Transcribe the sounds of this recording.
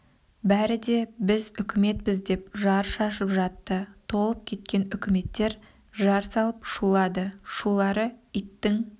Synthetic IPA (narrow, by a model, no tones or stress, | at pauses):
bæɾɪd̪e̞bɪzʏkʲɪme̞t̪̚bɪzd̪e̞p̚ʒɑɾʃɑʃəpʒɑt̪ːət̪ʰo̞lˠəp̚kʲʰe̞t̪̚kʲe̞nʏkʲʰɪme̞t̪ːe̞ɾ | ʒɑɾsɑlˠəpʃulˠɑd̪əʃulˠɑɾəit̪ːɪŋ